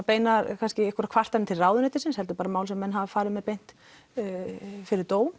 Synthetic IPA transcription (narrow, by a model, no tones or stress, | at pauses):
peːjnaɾkʰanscɪɛkʰɔɾakʰvar̥t̪anɪt̪ʰɪlraːwðʏnɛht̪ɪ̥ɾsɪnshɛlt̪ʏɾpaːɾamaːwlsɛmːɛnɦavfaːɾɪðmɛðpejn̥t̪ | fɪɾɪɾt̪oːwn